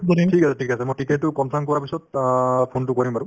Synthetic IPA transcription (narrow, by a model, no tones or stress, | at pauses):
bɔditʰikasɛtʰikasɛmojtiketːʊkɔnsʰamkɔɹapisɔt̚pʰontʊkɔɹimaɹʊ